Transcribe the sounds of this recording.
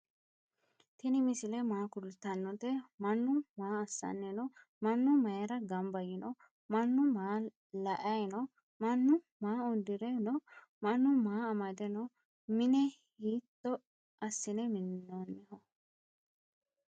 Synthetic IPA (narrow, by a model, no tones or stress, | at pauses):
t̪ɪnɪmɪsɪlɛmaːkʊlt̪ːɐnːɔt̪ɛmɐnːʊmaːɐsːɐ̰nːɛnɔ | mɐnːʊmɐjɐɾɐɡɐmbɐjɪnɔ | mɐnːʊmaː | lɐʔɐjnɔ | mɐnːʊ | maːɔd̪ɪɾɛnɔ | mɐnːʊmaːɐmɐd̪ɛnɔ | mɪnɛ | hiːt̪ːɔ | ʔɐsːɪnɛmɪnːonːɪhɔ